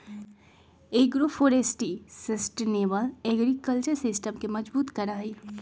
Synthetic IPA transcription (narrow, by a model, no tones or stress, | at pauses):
eːɡɾofʰoːɾesʈisɐsʈeneːbəlɛːɡɾikəlt͡ʃəɾsɪsʈəmkemɐd͡ʒbuːt̪kɐɾaːɦiː